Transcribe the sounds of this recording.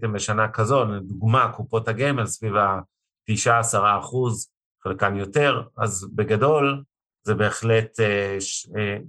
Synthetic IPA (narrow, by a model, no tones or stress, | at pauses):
dimbeʃanakazo̞nduɡmakupo̞thaɡemelsviva | tiʃaːsaʁaːχuz | χelkamjo̞te̞ʁa̰zbeɡado̞l | zebe̞ːχle̞teʃe